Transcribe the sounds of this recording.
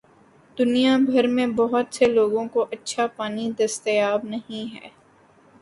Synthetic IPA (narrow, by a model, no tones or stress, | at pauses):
d̪ʊnijabʱɐɾmẽbɐɦʊt̪seloːɡõkoʔɐtːʃʰapaːnid̪ɐst̪eaːbnɐɦĩɦɛ̰ː